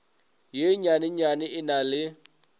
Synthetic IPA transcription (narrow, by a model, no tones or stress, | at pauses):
jeɲanɪɲanɪɪnalɪ